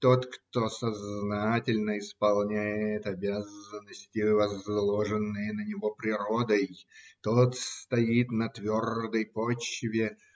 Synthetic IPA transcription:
t̪o̞t̪kt̪o̞sɐznatʲɪlʲnəɪspɐlˠnʲæjɪt̪ɐbʲazənːəsʲtʲɪvɐzlˠoʐɨnːɨjənənʲɪvo̞pɾʲɪɾo̞d̪əjt̪ot̪st̪ɐjit̪nɐt̪vʲord̪əjpot͡ɕvʲɪ

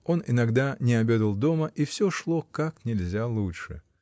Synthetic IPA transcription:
o̞nɪ̰nɐɡd̪anʲɪɐbʲe̞d̪əlˠd̪o̞məʔifsʲɵʂlˠo̞kaknʲɪlʲzʲalˠut͡ʃʂɨ̰

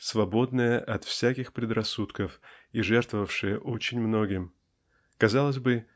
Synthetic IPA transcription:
svɐbo̞d̪nɨjəʔɐt̪fsʲækʲɪxpɾʲɪd̪rɐsːut̪kəfiʐɛrt̪vəvəfʂɨjəʔo̞t͡ɕɪnʲmno̞ɡʲɪm | kɐzɑlˠəzʲbɨ

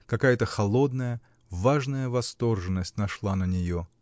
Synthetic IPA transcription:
kɐkajət̪əxɐlˠo̞d̪nəjə | vaʐnəjəvɐst̪o̞rʐɨnːəsʲtʲnɐʂlˠanənʲɪjo

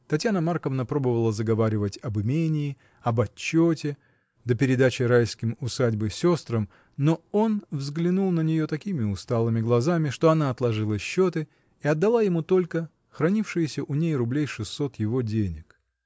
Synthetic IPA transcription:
t̪ɐtʲjanəmarkəvnəpɾo̞bəvəlˠəzəɡɐvaɾʲɪvətʲɐbɨmʲenʲɪː | ɐbɐt͡ɕːotʲɪ | d̪əpʲɪɾʲɪd̪at͡ɕɪɾajskʲɪmʊsadʲbɨsʲo̞st̪ɾəm | no̞onvzɡlʲɪnulˠnənʲɪjo̞t̪ɐkʲimʲɪʊst̪alˠɨmʲɪɡlˠɐzamʲɪʂt̪o̞ɐnaɐt̪lˠɐʐɨlˠəɕːo̞t̪ɨ | ɪɐd̪ːɐlˠajɪmut̪o̞lʲkə | xɾɐnʲifʂɨjɪsʲəʔʊnʲejrʊblʲejʂɨsːo̞t̪jɪvo̞dʲenʲɪk

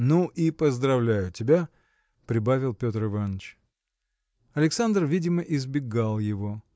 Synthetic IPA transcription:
nuʔipəzd̪ɾɐvlʲæjʊtʲɪbʲa | pɾʲɪbavʲɪlˠpʲo̞t̪ɾɨvanːət͡ɕ | ɐlʲɪksand̪rvʲidʲɪməʔɪzbʲɪɡalˠjɪvo̞

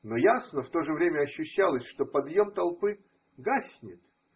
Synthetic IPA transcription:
no̞jasnəft̪o̞ʐɨvɾʲemʲəɐɕːʉɕːalˠəsʲʂt̪o̞pɐd̪jo̞mt̪ɐlˠpɨ | ɡasʲnʲɪt̪

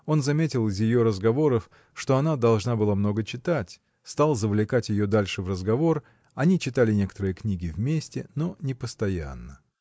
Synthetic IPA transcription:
o̞nzɐmʲetʲɪlˠɨzjɪjo̞ɾəzɡɐvo̞ɾəf | ʂt̪o̞ɐnad̪ɐlˠʐnabɨlˠamno̞ɡət͡ɕɪt̪atʲ | st̪alˠzəvlʲɪkatʲjɪjo̞d̪alʲʂɨvrəzɡɐvo̞r | ɐnʲit͡ɕɪt̪alʲɪnʲe̞kə̥t̪əɾɨjəknʲiɡʲɪvmʲesʲtʲɪno̞nʲɪpəst̪ɐja̰nːə

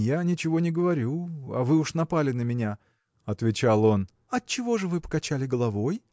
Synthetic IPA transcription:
janʲɪt͡ɕɪvo̞nʲɪɡəvɐɾʲuɐ̰vɨʊʂnɐpalʲɪnəmʲɪnʲa | ɐt̪vʲɪt͡ɕalˠo̞n | ɐt͡ɕːɪvo̞ʐɨvɨpə̥kɐt͡ɕalʲɪɡəlˠɐvo̞j

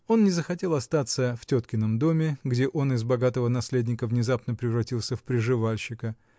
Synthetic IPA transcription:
o̞nnʲɪzəxɐtʲe̞lˠɐst̪at̪səftʲot̪kʲɪnəmd̪o̞mʲɪɡdʲe̞ʔo̞nɪzbɐɡat̪əvənɐsʲlʲedʲnʲɪkəvnʲɪzapnəpɾʲɪvɾɐtʲilˠsʲəfpɾʲɪʐɨvalʲɕːɪkə

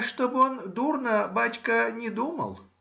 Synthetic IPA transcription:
ʂt̪obond̪urnəbatʲkənʲɪd̪umə̰lˠ

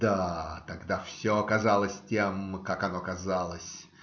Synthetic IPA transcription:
d̪at̪ɐɡd̪afsʲoɐkɐzalˠəsʲtʲemkakɐnokɐzalˠəsʲ

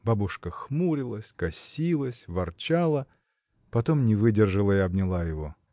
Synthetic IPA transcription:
babʊʂkəxmuɾʲɪlˠəsʲkɐsʲilˠəsʲvɐrt͡ɕalˠə | pɐt̪o̞mnʲɪvɨdʲɪrʐɨlˠəiɐbnʲɪlˠajɪvo

